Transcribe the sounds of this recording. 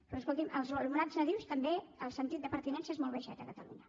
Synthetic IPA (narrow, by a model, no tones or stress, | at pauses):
rrəskulk̪imʔəlˠzlumunaznəðiwst̪əmbeəlˠsənt̪it̪̚d̪əpəɾt̪inɛnsəezmɔlˠβəʃɛ̰t̪əkət̪əlṵɲə